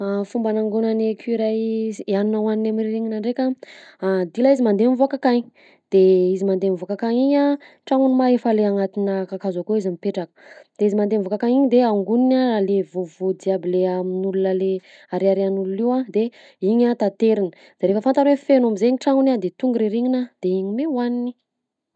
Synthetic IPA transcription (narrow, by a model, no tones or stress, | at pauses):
afumbanaŋɡunanekʲʰuiɾajaninawaninamiɾiɾeŋinaɳɖ͡ʐekʲaad̪ilaizimand̪enivoakakaɲi | d̪̥eizimand̪enivokakaŋiɲa | ʈ͡ʂaŋunimaefaleaŋat̪inəkakazakoizimipeʈ͡ʂakə̥d̪̥eizimand̪emivokakaŋiɲid̪eaŋɡuninaalevovod̪iabileaminulunale | aɾeaɾeanululiwãd̪e | iɲat̪at̪eɾinə̥ | d̪̥eɾefəfant̪aɾefenamizeɲiʈ͡ʂaŋunad̪et̪uŋɡuɾiɾiɲinad̪̥eiɲimewanini